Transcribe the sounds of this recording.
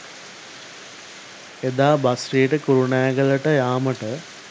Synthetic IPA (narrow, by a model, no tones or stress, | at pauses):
ed̪aːbasrijeʈəkuɾuɳaːɡələʈəjaːməʈə